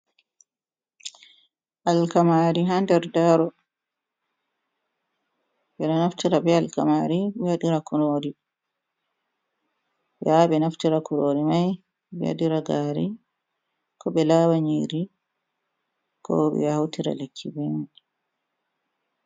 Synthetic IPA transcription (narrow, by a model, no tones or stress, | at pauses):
ʔalkamaɾiɦandɛɾdaɾɔ | bɛnanaftiɾabɛalka̰maɾibɛjadiɾakuɾoɾi | jaɓɛnaftiɾakuɾoːɾimaj | bɛ̰ja̰diɾaɡaːɾi | kɔbɛlaːwaɲiɾi | kʰɔ̰bɛ̰hawtiɾa̰lekʰːiben